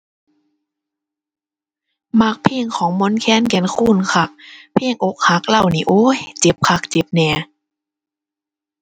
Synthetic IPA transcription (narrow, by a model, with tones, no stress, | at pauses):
ma˧˩k̚pʰeː˥˩˨ŋkʰɔː˨˦ŋmo˧˥˨nkʰɛː˧˥˨nkɛ˧˩nkʰuː˧˥˨nkʰa˧˩k̚pʰeː˧˥˩ŋʔo˧˦˥k̚ha˧˦k̚la˧˩wniː˧˩ʔoː˧˥˦jt͡ɕe˨˧˦p̚kʰa˧˩k̚t͡ɕe˨˧˦p̚nɛː˧˩